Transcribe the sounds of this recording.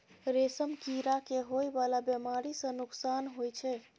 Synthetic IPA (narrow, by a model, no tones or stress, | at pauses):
ɾesəmkiɾakeɦojbalabjəmaɾisə̃nuksanɦojt͡ʃʰɛ